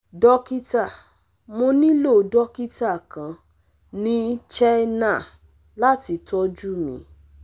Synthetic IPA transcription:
dɔ˦ki˦ta˦˨ | mo˧nĩ˦lo˦˨dɔ˦ki˦ta˦˨kã˨˦ | nĩ˦t͡ʃɛ˦na˦˨ | la˦ti˧tɔ˦d͡ʒu˦mḭ̃˧˦

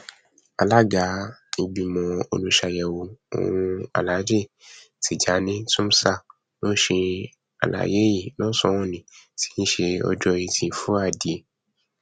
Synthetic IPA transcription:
a˧la˦ɡa˨˦o˧ɡ͡bi˨mɔ̃˨o̰˧lu˦ʃa˧jɛ˨wo˧o̰˨w̃ũ˧a̰˨la˨˦d͡ʒe˦˨ | tʰi˨d͡ʒa˨˦nĩ˦tũ˦m˦sa˦˨ | nõ˦ʃe˧ | a̰˨la̰˨˦je˨˦ji˦˨nɔ̃˦sɔ˧˦wɔ̃˦nĩ˨ti̥˦ñ̩˦ʃe˧ɔ̰˧d͡ʒɔ˧i˧tʰĩ˨fu˦a˦˨di˨e˨

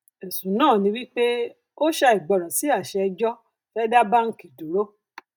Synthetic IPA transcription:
e˨sũ˨nãː˦˨nĩ˧wi˦k͡pe˦ | o˦ʃa˧i˨ɡ͡bɔ˨ɾɔ̃˨si˨˦a˦˨ʃɛ˧d͡ʒɔ˦ | fɛ˦da˦ba˦ŋ̩˦ki˨du˨ɾo˦

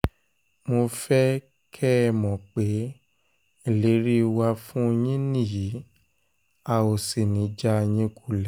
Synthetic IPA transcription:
mo˧fɛ˦ | kʰɛ˦˨mɔ̃˨k͡pe˨˦ | i˦˨le˨˦ɾi˦˧wa˧fũ˦˧j̃ĩ˦nĩ˦˨ji˨˦ | a˨o˨si˨nĩ˨˦d͡ʒa˦˧j̃ĩ˧ku˦˨lɛ˨˦

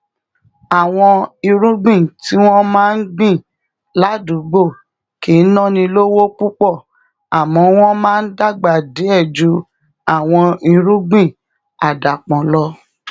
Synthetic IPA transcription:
a˨w̃ɔ̃˧i˧ɾũ˦ɡ͡bĩ˦˨ti˨˦w̃ɔ̃˦mãː˦n̩˦ɡ͡bĩ˦˨ | la˦dũ˨˦ɡ͡bo˦˨ | ki˨˦nɔ̃˦˨nĩ˧lo˦wo˦k͡pu˦k͡pɔ˦˨ | a˨mɔ̃˨˧w̃ɔ̃˦mãː˦n̩˦da˦˨ɡ͡ba˨de˨˦ɛ˦˨d͡ʒu˨˧˦ | a˨w̃ɔ̃˧i˧ɾũ˦ɡ͡bĩ˦˨ | a˨da˨k͡pɔ̃˨lɔ˧˦

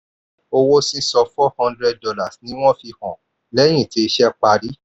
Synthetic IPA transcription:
o˧wo˦sĩ˦sɔ˧fɔ˦hɔ̃˧ndɾɛ˧d̚dɔ˧la˦˨snĩ˦w̃ɔ̃˦fi˧hɔ̃˨ | lɛ˦j̃ĩ˦˨te˧˦˧ʃɛ˦k͡pa˧ɾi˦

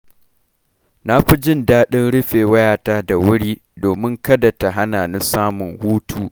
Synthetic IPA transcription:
na˦ɸi˦d͡ʒɪ˦ndaː˦ɗɪ˦nɽʊ˦ɸeː˨wɐ˦jaː˨taː˦da˨wʊ˦ɽiː˦ | doː˨mɪ˦ŋkɐ˦da˨ta˨ɦa˦naː˨nɪ˦saː˦mʊ˨ŋhuː˦tʰuː˦

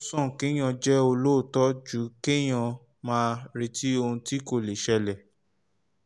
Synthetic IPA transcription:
sɔ̃˦˨ke˦j̃ã˧d͡ʒɛ˦o˧lo˦˨tɔ˦d͡ʒu˨˦ke˦j̃ã˧ | mãː˦˧ɾe˧˦ti˦o˧hũ˧ti˦ko˦˨le˨ʃɛ˧lɛ˨

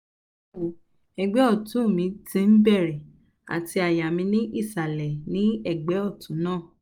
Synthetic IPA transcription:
o˨ | ɛ˨ɡ͡bɛ˨˦ɔ˦˨tũ˨˦˨mĩ˧tĩ˧n̩˦bɛ˦˨ɾɛ˨ | a̰˨ti˧a˨ja˨mĩ˧nĩ˦ʔi˦˨sa˨lɛ˨nĩ˨˦ɛ˦˨ɡ͡bɛ˨˦ɔ˦˨tũ˨˦nãː˦˨

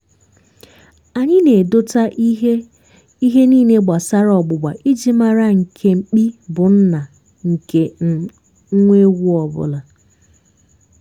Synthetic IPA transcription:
a˨ɲɪ˦ne˨do˦ta˦ʔ | i˦ɦe˦niː˦˨ne˦ɡ͡ba˨sa˦ɾɔ˨ɡ͡bʊ˨ɡ͡ba˨ʔi˦d͡ʒi˦ma˦ɾa˦ŋ̩˨kʰe˦ŋ͡m̩˨k͡pi˦bʊ˨n̩˦na˨ | ŋ̩˨ke˦ | ŋ̩˦ŋʷe˦ɡʷu˦ɔ˨bʊ̰˦la˨

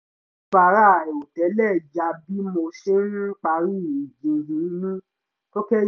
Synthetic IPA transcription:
ba˧˨ɾa˦˨o˨tɛ˨˦lɛ˦˨d͡ʒa˧bi˦mo˧ʃe˦n̩˦k͡pa˧˦ɾi˦˨i˨d͡ʒĩ˨ɦĩ˨˦nĩ˦ | to˦kɛ˦

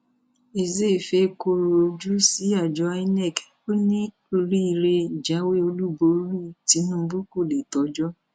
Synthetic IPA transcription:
e˨ze˦˨fe˧˦ko˧ɾo˨o˧d͡ʒu˦si˨˦a˨d͡ʒɔ˧˦a˦nɛ˦˨k | o˦nĩ˦ | o˧ɾi˦i˨ɾe˧d͡ʒa˨˦we˦o˧lu˦bo˨˦lu˦ti˨˦nũ˦bu˦ko˦˨le˨tɔ˨˦d͡ʒɔ˦

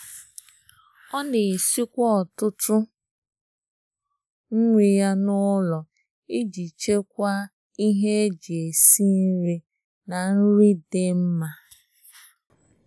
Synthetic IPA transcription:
ɔ˦ne˨si˦kʷɔ˦ɔ˨tʊ˦tʊ˦ | ŋ̩˦ŋʷi˨ja˦nʊ˦lɔ˨ | i˦d͡ʒi˨t͡ʃe˦k̚ʷa˦ | i˦ɦe˦d͡ʒe˨si˦n̩˦ɾe˦ | na˨n̩˦ɾi˦de˦m̩˦ma˦

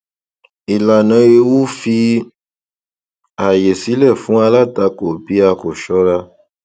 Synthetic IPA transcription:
i˨la˨nã˦je˧wu˦fi˧ | a˨je˨si˨˦lɛ˦˨fũ˨˦a˧la˦ta˧ko˨bi˨˦a˧ko˨ʃɔ˨˦ɾa˧

